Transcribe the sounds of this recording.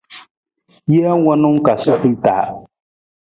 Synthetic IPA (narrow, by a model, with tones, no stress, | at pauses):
jɛ˦a˦wɔ˦nʊ˦ŋ˦ka˨sʊ˦kʊ˦ta̰˨